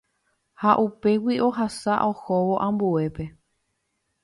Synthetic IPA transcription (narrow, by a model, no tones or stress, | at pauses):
haʔupe̞wiʔo̞ɦasaʔohoʋo̞ʔãmbue̞pe̞